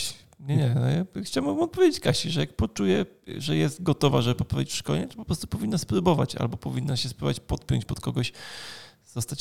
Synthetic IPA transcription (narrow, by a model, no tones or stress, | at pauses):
ɲɛɲɛnɔ̰jaxt͡ɕawbmɔbɘmɔt̪̚pɔvʲed͡ʑʲet͡ɕkaɕiʐɛjak̚pɔt͡ʂujɛ | ʐɛjɛst̪ɡɔt̪ɔvaʐɛbɘpɔpɾavʲit͡ɕfʂkɔ̰lɲɛt̪ɔ̥pɔpɾɔst̪u̥pɔvʲinːaspɾubɔva̰t͡ɕa̰lbɔpɔvʲinːaɕɛspɾuvat͡ɕpɔt̪̚pʲjɔ̰ɲt͡ɕpɔt̪kɔɡɔɕ | z̥ɔst̪at͡ɕ